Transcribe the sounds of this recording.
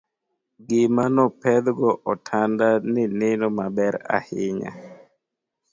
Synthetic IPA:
ɡɪmanɔpɛd̪ɡɔʔɔtʰandanɪnɪnɔmabɛɾa̰hɪɲa̰

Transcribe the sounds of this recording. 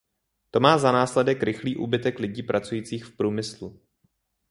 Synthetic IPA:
t̪o̞maːzanaːslɛdɛkɾɪxliːʔṵːbɪt̪ɛklɪɟiːpɾʔat͡sujiːt͡siːxfpɾuːmɪslu

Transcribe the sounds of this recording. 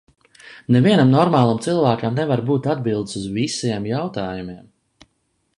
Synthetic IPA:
nɛviɛnamnɔɾmaːlˠamt̪silˠvæːkamnɛvaɾbuːt̪ad̪̚bilˠd̪suzvisiɛmjawt̪aːjumiɛm

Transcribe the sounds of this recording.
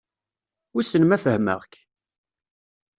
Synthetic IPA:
isənmæfəhmə̰ʁk

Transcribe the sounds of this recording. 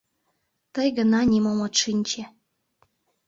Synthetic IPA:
t̪əjɣə̆nɑnʲimomot̪ʃinʲt͡ɕĕ

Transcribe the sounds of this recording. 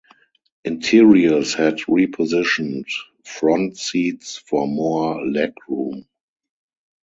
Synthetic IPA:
ʔɪ̃ntʰɪɹiəlshɛdɹipʰɔzɪʃɔ̃nt | fɹɔ̃ntsiːtsfɔmɔlɛkɹũːm

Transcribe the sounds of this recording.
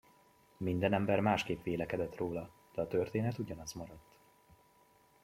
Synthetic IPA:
mind̪ɛnɛmbɛrmaːʃkeːpʋeːlɛkɛd̪ɛt̪roːlɒ | d̪̥ɛɒt̪ørt̪eːnɛt̪uɟɒnɒzmɒɾɒt̪ː

